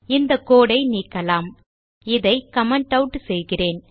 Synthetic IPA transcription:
ɪnd̪ɐkːoːɽɐɪniːkːɐlaːm | ɪðɐɪkɐmɐɳʈɐʊʈːsɛjɣɪreːn

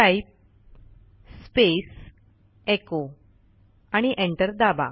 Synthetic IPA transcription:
aip̚ | spes | eko | aɽ̃iʔeɳʈəɾd̪aba̰

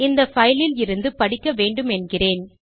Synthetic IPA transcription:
ɪnd̪ɐfɐjlɪlɪɾɯnd̪ɯpɐɽɪkːɐʋeːɳɖɯmɛnɡɪreːn

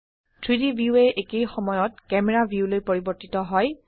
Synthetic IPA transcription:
tʰɹidibʱiuɛʔekejxɔmɔjɔt̚kɛmɛɹabʱiulojpoɹibɔɹtitɔɦɔj

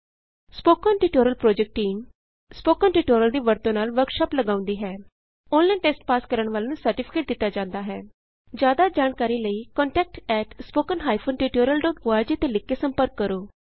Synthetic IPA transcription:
spoːkənʈiːʈoːɾəlpɾoːd͡ʒɛk̚ʈːiːm | spoːkənʈiːʈoːɾəld̪iːʋəɾt̪õːnaːlʋəɾkʃaːpləɡãːʊ̃nd̪iːɦɛː | õːnlainʈeːsʈpaːskəɾəɳʋaːleːnũsəɾʈɪpʰɪ̥keːʈ̚d̪ɪt̪ːaːd͡ʒãːnd̪aːɦɛː | d͡ʒjaːd̪aːd͡ʒaːɳkaːɾiːləiːkɔ̃ːɳʈɛːk̚ʈɛːʈspoːkənɦaːipʰoːnʈiːʈoːɾəlɖɔːʈbʊaːɾd͡ʒiːt̪elɪkːeːsəmpəɾkːəɾoː

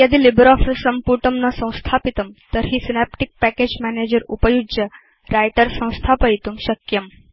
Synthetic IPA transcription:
jɐd̪ilibɾɔfəɾsɐmpuɾʈɐmnɐsɐ̃w̃st̪ʰaːpit̪ɐmt̪əɾɦisinapʈik̚pæked͡ʑmæned͡ʑəɾupəjud͡ʒjə | ɾajʈəɾsɐ̃w̃st̪ʰapɐjt̪umɕɐkjɐm

